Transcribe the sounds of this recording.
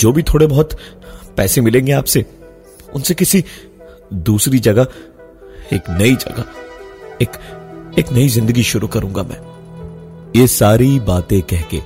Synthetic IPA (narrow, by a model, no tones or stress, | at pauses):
d͡ʒoːbʱit̪ʰoːɽebɔɦʊt̪pɛːsemɪlẽːŋɡeaːpse | ʊ̰nsekɪsi | d̪uːsɾid͡ʒɐɡa | eːknɐid͡ʒɐ̰ɡa | eːkeːknɐizɪ̃nd̪əɡiʃʊɾukɐɾũːŋɡa̰mʔɛ̰̃ː | jeːsaːɾibaːt̪ẽkɛɦkḛː